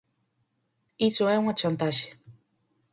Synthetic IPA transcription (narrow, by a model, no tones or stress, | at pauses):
isoɛuŋat͡ʃant̪aʃe̥